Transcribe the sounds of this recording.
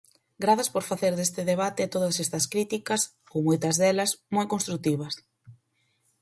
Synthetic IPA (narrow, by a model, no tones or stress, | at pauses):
ɡɾaθɐspoɾfaθeɾðest̪ɪðeβ̞at̪ɪt̪oðɐsɛst̪ɐskɾit̪ikɐs | owmojt̪ɐzðɛlɐsmojkõnst̪ɾut̪iβɐs